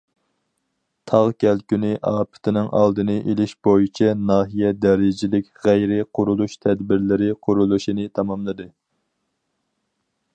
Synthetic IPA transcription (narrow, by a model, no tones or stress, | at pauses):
t̪ʰɑʁkʲʰɛlkʲynɪʔɑːpʰɪ̥t̪ʰɪnɪŋʔɑ̰lˠd̪ɨnɨʔelɪʃbojit͡ʃʰɛnɑːɦijɛd̪ɛɾɪd͡ʒɪlɪkʲʁæjɾɪqʰʊɾulˠuʃt̪ʰɛd̪bɪɾlɪɾɪqʰʊɾulˠuʃinɨt̪ʰɑmɑmlˠɨd̪ɨ